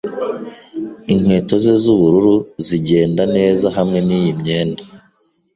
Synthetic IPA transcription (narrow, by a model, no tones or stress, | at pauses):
iŋ̥we̞ːto̞ze̞zuβuɾuɾuziɟe̞ːndane̞ːzaɦamŋe̞niːjimɲe̞ːnda